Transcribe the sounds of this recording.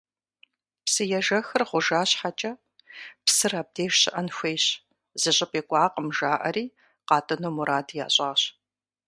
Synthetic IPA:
psɨjɛʒɐxɨrʁʷʊʒaːɕħat͡ʃʼɐ | psɨraːb̚deːʒɕɪ̰ʔɐnxʷejɕ | z̥ɨɕʼɪpʼeːkʷʼɑːqʼəmʒaːʔɐriː | qɑːtʼɐnoːmuɾaːdja̰ːɕʼɑːɕ

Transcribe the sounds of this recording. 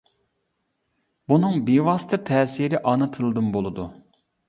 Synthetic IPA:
bunɨŋbiwɑsɨt̪ʰɨt̪ʰɛːsiɾɪʔɑnɨt̪ʰɨlˠd̪ɨmbolˠɨd̪u

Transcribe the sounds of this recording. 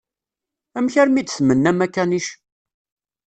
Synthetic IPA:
æmçæɾmid̪θmənːæmækːæniʃ

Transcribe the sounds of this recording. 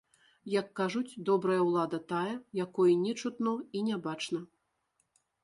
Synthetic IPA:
jɐkːaʐut͡sʲd̪ɔbɾɐjɐwlˠad̪ɐt̪ajɐjakɔjinʲɛt͡ʂut̪nɔinʲabat͡ʂnɐ

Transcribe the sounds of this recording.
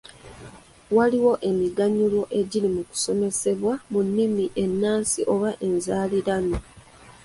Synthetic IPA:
waliwo̞ʔe̞miɡaɲulwo̞ʔe̞ɟilimuku̥so̞me̞se̞βwamunːimiʔe̞nːaːnsiʔo̞βaʔe̞nzaːliɾano

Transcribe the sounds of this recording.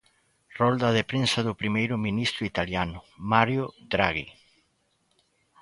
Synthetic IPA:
rɔld̪ɐðepɾensɐðʊpɾimejɾʊmĩnist̪ɾʊit̪aljanʊmaɾjʊd̪ɾaɣi

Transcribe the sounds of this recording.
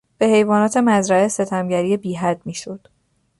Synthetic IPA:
b̥e̞he̞jvɒːnɒːt̪ʰe̞mæzɾæe̞se̞t̪ʰæmɟæɾiːebiːɦæd̪̥miːʃo̞d̪̥

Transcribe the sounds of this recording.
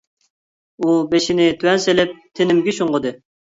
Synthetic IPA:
ubeʃinɪt̪ʰywɛnselɪp̚t̪ʰenɪmɡʲɪʃuɴʁəd̪ɨ

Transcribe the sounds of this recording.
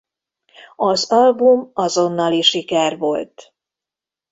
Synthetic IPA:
ɒzɒlbumɒzo̞nːɒliʃikɛrvo̞lt̪

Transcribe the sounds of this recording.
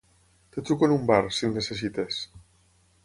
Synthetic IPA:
t̪et̪ɾukonumbaɾsinːeses̬it̪es

